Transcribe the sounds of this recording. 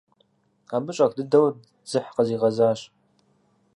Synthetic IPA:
aːbɨɕʼɐkdɨdɐw | z̥ɨħqəziːʁɐzaːɕʼ

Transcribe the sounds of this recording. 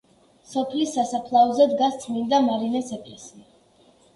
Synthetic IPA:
sɔpʰlisːasapʰlˠaɔzɛd̪ɡast̪sʰʼmind̪amaɾinɛsɛkʼlɛsia

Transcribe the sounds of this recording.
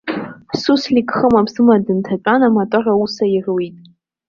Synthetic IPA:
suslikχəmapsɨmadɨntʰat͡ʃʷʼanamatʷʼarausairwitʼ

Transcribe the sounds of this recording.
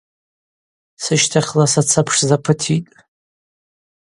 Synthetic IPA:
sɨʃtʰaχʲlasat͡sʰapʰʂzapʰɨtʰitʼ

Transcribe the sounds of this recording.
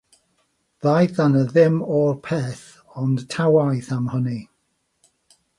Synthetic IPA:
ðajθanəðɪmɔrpʰɛːθ | ɔntʰawajθamhəni

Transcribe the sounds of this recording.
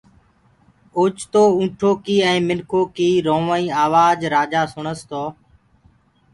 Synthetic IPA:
ʊːt͡ʃt̪oːũːʈʰoːkiːɛ̃ːmɪnkʰoːkiːɾõːʋəĩːaːʋaːd͡ʒɾaːd͡ʒaːsʊɳəst̪ʰoː

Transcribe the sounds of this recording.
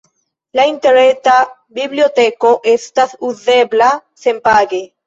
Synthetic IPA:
laint̪eɾet̪a | biβljot̪ekoʔest̪aθuðeβlasempaɣe

